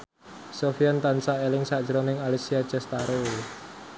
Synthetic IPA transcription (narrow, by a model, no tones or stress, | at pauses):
sofiant̪ansaelɪŋsad̥ʒəɾonɪŋalisiad̥d͡ʒɛst̪aɾo